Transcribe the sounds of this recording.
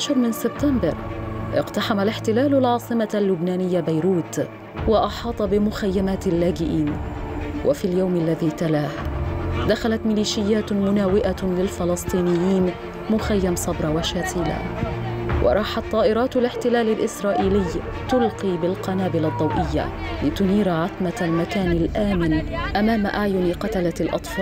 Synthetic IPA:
ʕaʃɑɾˤmɪnsɪb̚t̪ambɑɾʔɪ̰qt̪aħamalɪħt̪ɪlaːlʊlʕɑːsˤɨmalːʊbnaːnɪjːabajɾuːt̪ | wɑʔɑħɑːt̪ˤɑbɪmʊxajːamaːt̪lːaːd͡ʒɪʔiːn | wʔa̰fiːljawmalːaðiːt̪alaːhd̪axalat̪mɪliːʃɪjːaːt̪mʊnaːwɪʔalɪlfɪlɨsˤt̪ˤiːnɪjːiːn | mʊxajːamsˤɑbɾˤɑwaʃaːt̪iːla̰ | wʔɑ̰ɾˤɑːħɑt̪ˤːɑːʔɪɾˤɑːt̪alɪħt̪ɪlaːlɪlʔɪsɾˤɑːʔiːlɪj | t̪ʊlqiːbɪlqɑnaːbɪlad̪ˤːɑwʔɪjːa̰ | lɪt̪ʊniːɾaʕat̪malmakaːnalʔaːmɪnʔamaːmaʔaʕjʊnqɑt̪alalʔɑ̰t̪ˤfɑːl

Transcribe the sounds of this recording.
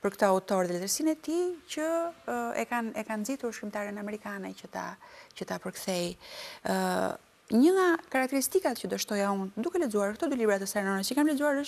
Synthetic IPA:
pəɾkt̪ɔaut̪ɔɾðɛlɛzəɾsinɛt̪icə | ɛ̰kanɛkand͡zit̪uɾʃkɾimt̪aɾənamɛɾikanɛcət̪a̰cət̪apəɾkθɛj | ɲəŋakaɾak̚t̪ɛɾist̪ikat̪cəd̪əʃt̪ɔjaund̪ukɛlɛd͡zuaɾkt̪ɔd̪ylibɾat̪ɛsɛɾnɔnɛcəkamlɛd͡zuaɾəʃ

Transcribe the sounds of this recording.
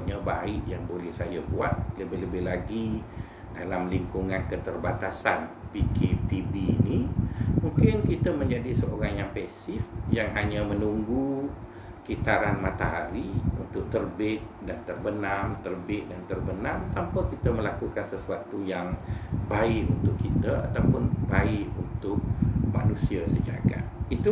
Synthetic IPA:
ɲabaɪʔjaŋbolɛhsajabuat̪̚ləbɪhləbɪhlaɡi | dalamliŋkuŋankət̪ərbat̪asanpikʰepibinimuŋkɪnkit̪amə̃ɲd͡ʒadisəʔoɾaŋjaŋpɛsɪfjaŋɦaɲamənuŋɡu | kit̪aɾanmat̪aɦaɾiṵnt̪ʊk̚t̪ərbɪt̪̚dant̪ərbənamt̪ərbɪʔ̪̚dant̪ərbənamt̪ampakit̪əməlakukansəsuat̪ujaŋbaɪʔṵnt̪ʊkkːit̪əa̰t̪awpʊnbaɪʔunt̪ʊk̚ma̰nusiəsəd͡ʒa̰ɡa̰t̪it̪u

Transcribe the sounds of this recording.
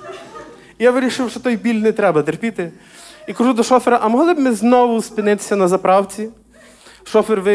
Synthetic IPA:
jaʋɪɾʲiʃɪwʃt͡ʃɔt̪ɔjbʲilʲnɪjt̪ɾɛbɐt̪erpʲit̪ɪ | ikɐʒud̪ɔʃɔfeɾɐʔɐmɔɦlˠɪbmɪznɔʋʊspɪnɪt̪ɪ̥sʲːɐnɐzɐpɾɑwt͡sʲi | ʃɔfɛrʋɪ

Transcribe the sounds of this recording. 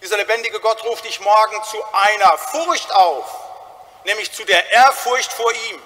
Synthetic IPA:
d̥iːzɐlebɛndɪɡəɡɔtʁuːftɪçmɔɐɡŋ̩t͡suʔaɪnɐfʊɐçtʔaʊf | nɛːmlɪçt͡sudeːɐʔeːɐfʊɐçtfoːɐʔiːm

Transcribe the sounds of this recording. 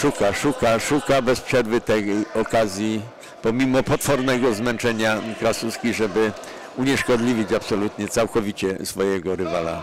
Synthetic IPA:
ʂukaʂukaʂukabɛspʂɛɾvɘt̪ɛkɔkazʲji | pɔmʲimɔpɔt̪fɔɾnɛɡɔzmɛnt͡ʂɛɲakɾasuskʲiʐɛbɘ | uɲɛʂkɔd̪lʲivʲit͡ɕapsɔlut̪ɲɛt̪sawkɔvʲit͡ɕɛsfɔjɛɡɔɾɘvala̰

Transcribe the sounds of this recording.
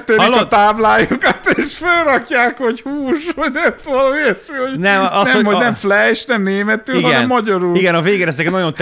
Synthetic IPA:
t̪ːøilɔt̪aːblaːjukɒt̪eːʃfølɾɒkjaːkho̞ɟhuːʃoɟɛt̪ʋɔlomiɛʃioɟnɛmɔsnɛomhoɟnɛmflɛʃnɛmneːmɛt̪yːiɡɛɛnmːɒɟɔɾuliɡɛnɒveːɡeɾɛzɛkɛnɔjont̪

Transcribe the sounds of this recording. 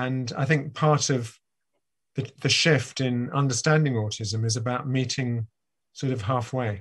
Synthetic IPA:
ə̃na̰ɪθɪ̃ŋk̚pʰɑɹɾʌv | ðɨðɨʃɪftɪ̃nʌ̰̃ndə˞stæ̃ndɪ̃ŋɔɹtʰɪzə̃mɪzəbaʊʔ̚miˑtʰɪ̃ŋ | sɔɹɾʌv̥ɦɑˑfweɪ

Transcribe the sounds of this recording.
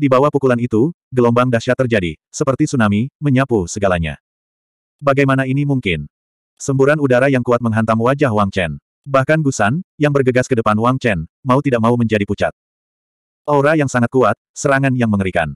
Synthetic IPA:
dibawahpukulanit̪u | ɡəlɔmbaŋdaʃat̪ərd͡ʒadi | səpərt̪isunamiməɲapusəɡalaɲa̰ | baɡajmanainimuŋkɪn | səmbuɾanudaɾajaŋkuat̪̚məŋɦant̪aŋwad͡ʒahwaŋt͡ʃɛn | bahkanɡusanjaŋbərɡəɡaskədəpanuwaŋt͡ʃɛnmaut̪idak̚mauməɲd͡ʒadiput͡ʃa̰t̪̚ | ʔoɾajaŋsaŋat̪̚kuat̪̚səɾaŋanjaŋməŋəɾika̰n

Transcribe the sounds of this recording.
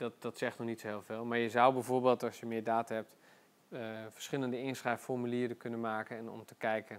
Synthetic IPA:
dɑt̚dɑtsɛχtnɔχnitsɦɪːlˠvɪːlˠmaːɹjəzʌwbɛjvoːɹbeːlˠtɑlˠsjəmɪːdaːtəɦɛp̚t | fə̥ɹsχɪləndəɪnsrɛjffɔrmyliːɾəkɵnənmaːkənɛnɔ̰mtəkɛjkən

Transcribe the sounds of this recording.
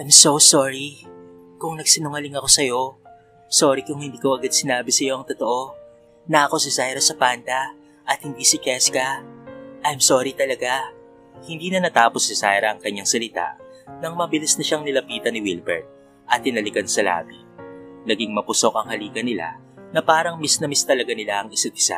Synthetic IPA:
ʔajmsosoɹi | kʊŋnɐɡsɪnʊŋɐlɪŋɐko̞sɐjo̞ | soːɾikʊŋhɪnd̪iːkoʔɐɡad̪̚sɪnaːbɪsɐjo̞ʔɐŋt̪ot̪oʔo̞ | nɐʔɐko̞sɪsajɾɐsɐpaːnt̪ɐ | ʔɐt̪̚hɪnd̪isɪt͡ʃɛskɐ | ʔɐjmso̞ːɾit̪ɐlɐɡa | hɪnd̪iːnɐnɐt̪aːposːɪsajɾɐɐŋkɐɲːaŋsɐlɪt̪a̰ʔ | nɐŋmɐbɪlisnɐʃaŋnɪlɐpiːt̪ɐnɪwilbɛ̰ɹt̪̚ | ʔɐt̪̚ːɪnɐlɪkɐnsɐla̰ːbi | nɐɡiŋmɐpʊso̞k̚ʔɐŋhɐliːɡɐnɪla̰ | nɐpaːɾɐŋmisnɐmist̪ɐlɐɡanɪlaʔɐŋɪsɐd̪̚ɪsa̰

